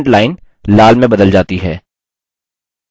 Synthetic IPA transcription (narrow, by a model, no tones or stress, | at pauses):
ɳʈlaːɪn | laːlmẽbɐd̪əld͡ʒaːt̪iɦɛː